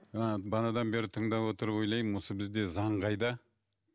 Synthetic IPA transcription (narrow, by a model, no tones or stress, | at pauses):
əbɑnɑd̪ɑnbe̞ɾɪt̪ʰəɴd̪ɑpwo̞t̪əɾəpwo̞jlˠɑjmwo̞səbɪzd̪e̞zɑɴqɑjd̪ɑ